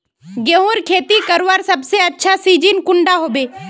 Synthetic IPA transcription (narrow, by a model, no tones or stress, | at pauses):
ɡẽɦoːɾkʰeːt̪ikɐɾʋaɾsɐbseɐtːʃʰasiːd͡ʒinkʊ̃ɳɖaɦoːbeː